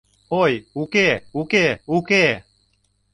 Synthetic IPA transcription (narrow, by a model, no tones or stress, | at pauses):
ojukeukeuke